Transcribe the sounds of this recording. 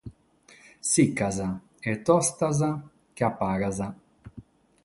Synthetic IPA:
sikːaza | et̪ɔst̪aza | keapːaːɡaza

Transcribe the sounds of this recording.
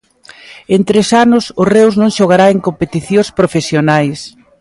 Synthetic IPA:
ent̪ɾesanʊsʊrewznõŋʃoɣ̞aɾaeŋkompet̪iθjõspɾofesjonajs

